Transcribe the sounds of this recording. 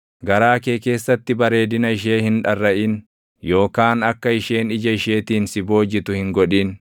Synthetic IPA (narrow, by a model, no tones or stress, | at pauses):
ɡɐɾaːke̞ːke̞ːsːɐt̪ːɪbɐɾe̞ːd̪ɪnɐɪʃ̬e̞ːhɪnᶑɐrːɐʔɪn | jo̞ːkaːnɐkːɐɪʃeːnɪd͡ʒɐɪʃe̞ːt̪iːnsɪbo̞ːd͡ʒɪt̪ʊhɪŋɡɔᶑiːn